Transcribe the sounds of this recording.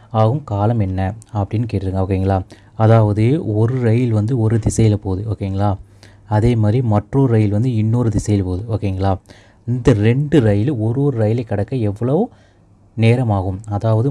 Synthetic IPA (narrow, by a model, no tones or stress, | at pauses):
aːɣɯmkaːlɐmɛnːɐɐpːɐɽɪnːɯkeːʈːɪɾɯŋɡɐoːkːɐiŋɡɐɭaː | ɐðaːʋɐðɯɔɾɯɾɐjɪlʋɐnd̪ɯɔɾɯd̪ɪsɐjɪlpoːðɯoːkːeiŋɡɐɭaː | ɐðeːmaːd̪ɾimɐʈroːɾɯɾɐjɪlʋɐnd̪ɯɪnːoːɾɯd̪ɪsɐjɪlpoːðɯoːkːeiŋɡɐɭaː | ɪnd̪ɐɾɛɳɖɯɾɐjɪlɔɾoːɾɯɾɐjɪlɐɪkːɐɽɐkːɐɛʋːɐɭɐʋɯ | neːɾɐmaːɣɯmɐðaːʋɐðɯ